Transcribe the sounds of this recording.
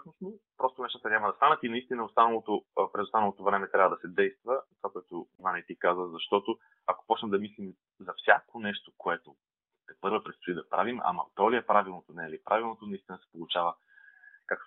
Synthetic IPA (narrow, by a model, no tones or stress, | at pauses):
osno | pɾɔst̪onɛʃt̪ət̪ənʲamɐd̪ɐst̪anət̪inɐist̪inəost̪anɐlˠot̪opɾɛzost̪anɐlˠot̪ovɾɛmɛt̪ɾʲavəd̪ɐsɛd̪ɛjst̪vənt̪vakoɛt̪ovanɛt̪ikazəzɐʃt̪ɔt̪o | ɐko̥pɔt͡ʃnɐmd̪ɐmislim | zɐfsʲakonɛʃt̪okoɛt̪o | t̪ɛpɤɾvəpɾɛt̪st̪ʊid̪ɐpɾa̰vima̰mɐ̰t̪ɔliɛpɾavilˠnot̪onɛlipɾavilˠnot̪onɐist̪inəsɛ̥polˠʊt͡ʃavə | kak̚t